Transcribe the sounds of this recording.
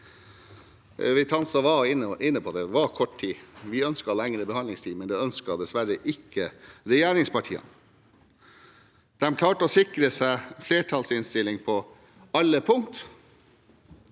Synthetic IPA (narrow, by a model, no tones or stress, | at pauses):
ʋɪt̪ʰɑnsɑʋɑɪnːəʔɪnːəpʰɔd̪ɛʋɑkʰɔʈt̪ʰiːʋɪœnskɑlɛŋɾəbəhɑndlɪŋst̪ʰiːmɛnd̪ɛœnskɑd̪ɛsʋæɾəʔɪkːəɾɛjæːɾɪŋspʰɑʈʰḭːɑ̰n | d̪̥ɛmkʰlɑːʈəɔsɪkɾəsæɪfleːʈʰɑlsɪnst̪ɪlːɪŋpʰɔ | ɑlːəpʰʊŋkt̪